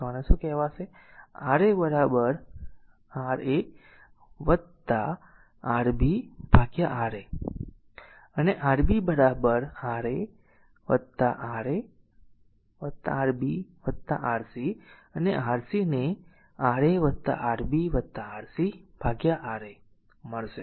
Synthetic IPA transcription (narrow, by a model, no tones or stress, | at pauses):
ɔnesũkɛɦʋat͡ʃʰe | aɾebəɾabəɾ | aɾe | ʋət̪a | aɾbʱib̥ʱaɡjaʔaɾe | əneʔaɾbibəɾabəɾaɾe | ʋət̪ːaʔaɾe | ʋət̪a̰ɾbiʋət̪ːa̰ʔaɾsiəneʔaːɾsine | aɾeʋət̪ːa̰ʔaɾbiʋət̪ːaaɾsib̥ʱaɡjaʔaɾe | məɭʃe